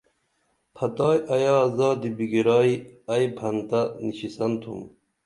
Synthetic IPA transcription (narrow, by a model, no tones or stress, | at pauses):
pʰɐt̪ɑːjɐjɑzɑːd̪ibiɡiɾɑːiɐjbʱɐnt̪ɐniɕisɐnt̪ʰṵm